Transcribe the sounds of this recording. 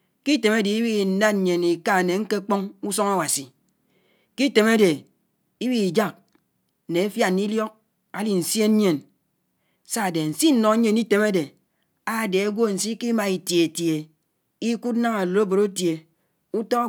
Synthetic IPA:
ki˦te˨me˦de˨i˦wi˦˨n̩˨˦da˦n̩˨ɲe˨ni˨ka˦˨ne˨ŋ̩˦ke˦k͡po˦ŋu˦so˦ŋa˦wa˨si˨ | ki˦te˨me˦de˨ | i˦wi˦i˨d͡ʒa˦k̩̚˨ | ne˨e˦fja˦n˦i˦ljɔ˦k̚ | a˦li˨n̩˨sje˦ɲe˨n | sa˦˨de˨n̩˨si˦n̩˦nɔ˨˦ɲe˨ni˦te˨ma˦de˨ | a˦˨de˨a˦ɡʷo˦˨n̩˨si˦ki˦ma˨i˨tje˨e˨tje˨ | i˦ku˦tna˦ŋa˨lo˨˦o˦bo˨ɾo˦tje˨ | u˦tɔ˦

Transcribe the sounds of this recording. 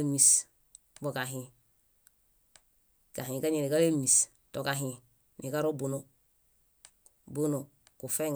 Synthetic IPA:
mis | bo˨ka˨ɦĩ | ka˨ɦĩ˨ka˦ɲe˨ni˨ka˦le˦mi˨s | to˨kaɦĩ | nʔi˨ka˦ɾo˦buno | bu˦no˨ | ku˨fe˦ŋ

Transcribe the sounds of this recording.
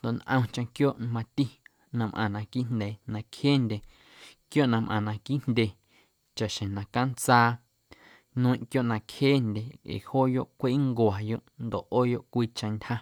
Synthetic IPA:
nd̪o˨ʔnʔə̰̃˧t͡ʃẽ˧kjoː˦ʔn˧mã˧t̪i˦ | nã˧mʔã̰˨nã˧ki˦ʔn̥nd̪e˨nã˧kheː˦ndʲe˨ | kjo˦ʔnã˧mʔã̰˨nã˧ki˦ʔndʲe˧˨ | t͡ʃa˨ʔʃẽ˨nã˨ka˦nt͡saː˦˧ | nũ˦ĩ˧˨ʔkjo˦ʔnã˧kheː˦nd̪ʲe˨ḛ˨hoː˦jo˦˨ʔkʷeː˦ŋɡwa˨jo˦ʔnd̪o˨ʔoː˦jo˦ʔkʷiː˦t͡ʃã˧ntʲha˦

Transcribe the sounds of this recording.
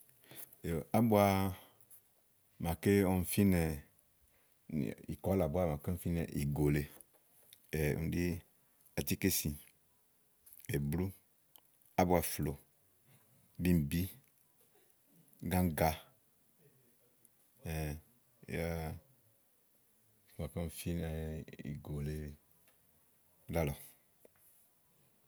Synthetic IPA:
o˨a˦bʊ˦a˦˨ | mã˨ke˦ɔ˦˨n̩˨fi˦nɛ˨ | ḭ˨kɔ˨˦la˨bʊ˦a˦mã˨k̩˦˨fi˦nɛ̰˨ʔi˨ɡo˨le˨ | ɛ˨ṵ˨n˨di˦ | a˨ti˦ke˦sĩ˨ | ɛ˨blu˦ | a˦bʊ˨a˨flo˨ | bi˦m˨bi˦ | ɡã˦ŋ˦ɡa˦ | ɛ̰˨˦ | a˦˨ | mã˨kã˦fi˦nɛ˨ḭ˨ɡo˨le˨˦ | da˦lɔ˨

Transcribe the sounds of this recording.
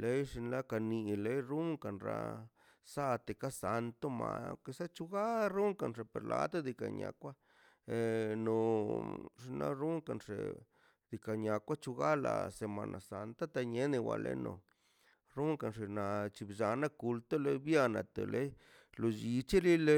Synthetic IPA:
le˦jʂi˧nla˦ka˧ni˧le˦jɾu˦ŋka˨nɾa̰˧ | sa˦t̪e˨ka˦sa˧nt̪o˦ma˨˧ke˧sa˦t͡ʃu˧ɡa˦ɾu˦ŋka˨nʐe˨pḛ˨ɾlʔa˧t̪o˦d̪i˧ka̰˨ɲa̰˨˧kʷa˦ | e˨˧no˨ | ʂi˧nla̰˦ɾu˦ŋka˨nʂḛ˨ | d̪i˧ka˨ɲa˧kʷa˦t͡ʃu˧ɡa˦la̰˨se˨ma˨nʔa˨sa˧nt̪a˦t̪a˧ɲe˦ne˧wa̰˧˨lḛ˦no˨ | ɾu˦ŋka˨nʂe˨na˨t͡ʃi˧bd͡ʒa˧na˦ku˧lt̪o˦le˦jbja˧na˨t̪e˨lʔe˦j | lo˧d͡ʒi˧t͡ʃe˦li˦le˦

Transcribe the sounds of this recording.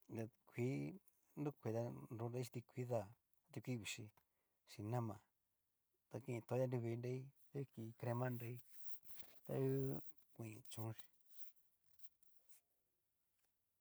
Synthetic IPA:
ɡa˧kʷi˦ | ndu˦kʷe˨˧ða˧nɾu˧˦nɾe˧˦ʃi̥˧t̪i˧kʷi˦ða˧˨ | a˦t̪i˧kʷi˦βi˨˧ʃi˧ | ʃi˧nã˦mã˨ | t̪a˧kĩ˧ĩ˧t̪o˨˧˦ja˦˧du˧βi˧nɾe˧˦i˦ | e˦ki˧kɾe˧mã˦nɾe˧i˦ | t̪a̰˧u˦ | kʷĩ˨ĩ˧t͡ʃũ˨˦l

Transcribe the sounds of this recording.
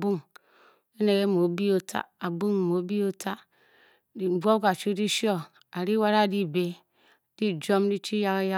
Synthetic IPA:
bu˦ŋ | e˦ne˨ɡe˦mo˨˦bi˦o˦tʰa̰˦a˨bu˦ŋ˨mo˨˦bi˦o˦tʰa˦ | di˨bʷo˦ka˨t͡ʃu˦di˦ʃi˦o˦ | a˨ɾi˦wa˦ɾa˦˨di˦be˨ | di˦d͡ʒo˦m˦di˦t͡ʃi˦ja˦ɣja˦

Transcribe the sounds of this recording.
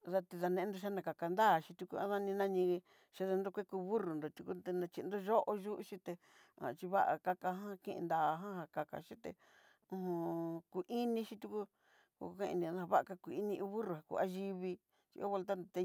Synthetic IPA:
ða˧t̪i˧ða˧nẽ˧ʔe˦nd̪o˧ʃa˦nã˧ka˨ka˧nd̪a˦˨ʃi˧t̪u˧ku˧ã˦ða˦nĩ˧nã˦ɲĩ˧ | ʃi˧˦ða˧nd̪o˧kʷe˦ku˧βu˦ru˨nd̪o˨t̪u˧ku˦d̪e˧nã˧t͡ʃi˧nd̪o˦ʒo˦ʔo˧ʒu˦ʔʃĩ˦t̪e˧ | ã̰˨t͡ʃi˧βa˦ʔa̰˨ka˧ka˧ɦã˦kĩ˦˧ʔnd̪aː˨˧ɦã˦ɦa˨ka˨ka̰˨ʃĩ˦t̪ḛ˧ | ũ˧ɦũ˧ku˨ʔi˦nĩ˧ʃi˦t̪u˧ku˦ | kṵ˧kkã˦˧ḭ̃˧nĩ˧ã˧ðã˦ã˧βa˦ʔa˧ka˧ku˨i˦nĩ˧ʔu˧˦βu˦ru˨ha˨kṵ˧˨a˦ʒi˧βi˧ | t͡ʃi˧kβo˧lt̪̬a˦nd̪o˨t̪e˧

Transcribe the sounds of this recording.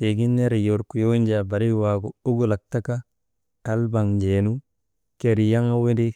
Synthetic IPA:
e˨ɡi˦nːe˦ɾi˨jo˨ɾku˨jo˦nd͡ʒa˨ba˨ɾi˦wa˨ɡu˨u˦ɡu˦˨la˨k̚ta˦ka˦ | a˦lba˨ŋd͡ʒe˨nu˦ | ke˨ɾi˨ja˦ŋa˦we˦di˦

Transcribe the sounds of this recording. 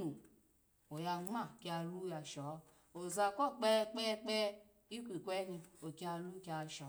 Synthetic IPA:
u˨ | o˨ja˧ŋ͡ma˦˨ki˧a˧lu˦ja˧ʃɔ˨˦ | o˨za˧kɔ˦˨k͡pɛ˦k͡pɛ˦k͡pɛ˦ | i˦kʷi˨kʷɛ˦ni˧o˨kʲa˧lu˦ki˦a˧ʃɔ˨˦

